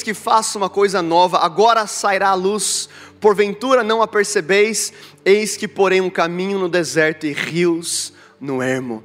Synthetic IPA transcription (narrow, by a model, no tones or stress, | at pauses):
skɪfasũmɐkojzɐnɔvɐʔaɡɔɾɐsaiɾaːlus | poɾvẽnt̪uɾɐnɐ̃w̃apeɾsebejs | ejskɪpoɾẽj̃ʊ̃kamĩɲʊnʊd̪ezɛɾt̪ʊɪʁiwz | nʊeɾmʊ̰